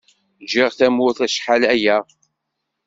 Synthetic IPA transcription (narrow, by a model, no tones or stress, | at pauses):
d͡ʒɪʁθæmʊθæʃħalæjæ